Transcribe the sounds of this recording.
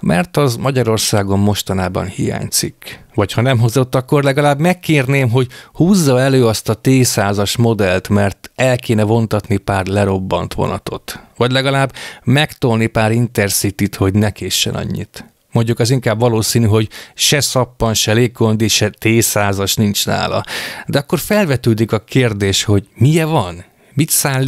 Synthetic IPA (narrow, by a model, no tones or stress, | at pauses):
mɛrt̪ɒzmɒɟɒɾo̞rsaːɡo̞mːo̞ʃt̪ɒnaːbɒ̰nhija̰ːɲt̪sikʋɒchɒnɛmɦozo̞t̪ːɒkːorlɛɡɒlaːbmɛkːeːrneːmɦo̞ɟhuːzːɒɛløːɒst̪ɒt̪eːsaːzɒʃmo̞d̪ɛlt̪mɛrt̪ɛlkeːnɛvo̞nt̪ɒt̪nipaːrlɛɾo̞bːɒ̰nt̪ʋo̰nɒ̰t̪o̞̰t̪ʋɒɟlɛɡɒlaːbmɛkt̪olnipaːɾint̪ɛrsit̪it̪ho̞ɟnɛkeːʃːɛ̰nɒ̰ɲːḭt̪ | mo̞ɲɟukɒziŋkaːbvɒloːsiːnyɦo̞ɟʃɛsɒpːɒnʃɛleːɡ̚ɡo̞nd̪eʃɛt̪eːsaːzɒʃnint͡ʃna̰ːlɒ̰d̪ɛɒkːo̞rfɛlvɛt̪øːd̪ikɒkeːrd̪eːʃho̞ɟmijɛvɒn | mit̪saːlːi